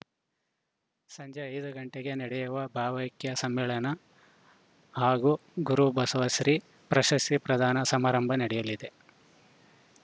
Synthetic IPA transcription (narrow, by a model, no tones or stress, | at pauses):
sɐɲd͡ʒʱɐɐjd̪uɡɐɳʈeɡe̞nɐɽɛjuʋɐbʱaːʋɐjkjɐsɐmːɛːɭɐnɐ | haːɡuɡuɾubɐsɐʋɐsɾi | pɾɐʃɐstipɾɐd̪ʱaːnɐsɐmaːɾɐmbʱɐnɐɽɛjɐlid̪e̞